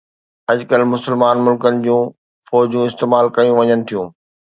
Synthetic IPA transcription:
ɐd͡ʑkəlmʊsəlmaːnmʊlkənɪ̆d͡ʑũː | fɔːd͡ʑũɪst̪eːmaːlkɐjũʋɐɲənɪ̆t̪ʰijũː

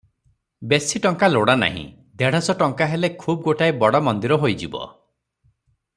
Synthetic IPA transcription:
besiʈɔŋkaloɽana̰ɦḭ̃ | d̪ʱeɽ̤ɔsɔʈɔŋkaɦelekʰub̚ɡoʈajbɔɽɔmɔnd̪iɾɔɦojd͡ʒibɔ̰

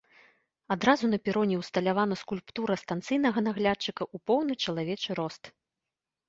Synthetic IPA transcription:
ad̪ɾazunɐpʲiɾɔnʲɛwst̪ɐlʲavanɐskulʲpt̪uɾɐst̪ant̪sɨjnɐɣɐnaɣlʲatt͡ʂːɨkɐʔupɔwnɨt͡ʂɐlˠavʲɛt͡ʂɨɾɔst̪

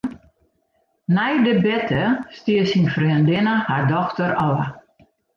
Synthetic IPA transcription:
nɛjdəbɛtʰəstiəsinfriəndɪnəhardɔxtəɾɔwə̰

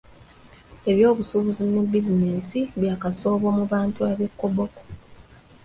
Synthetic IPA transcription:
e̞βjo̞ːβusuβuzine̞bizinesiβjaːkaso̞ːβo̞muβaːntuaβe̞kːoboko̥

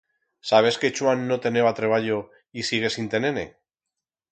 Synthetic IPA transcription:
saβ̞e̞ske̞t͡ʃuanːo̞t̪e̞ne̞βat̪ɾe̞β̞aʎo̞ | isiɣ̞e̞sint̪ene̞ne̞̰

